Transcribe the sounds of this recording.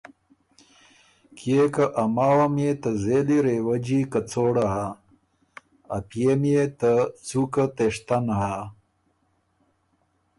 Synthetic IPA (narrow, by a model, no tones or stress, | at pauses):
kekɐʔɐmaːwɐmjet̪ɐzeliɾewɐd͡ʑikɐt͡soːɽaɦa | ɐpijemjet̪ɐt͡sukat̪eʂt̪ɐnɦa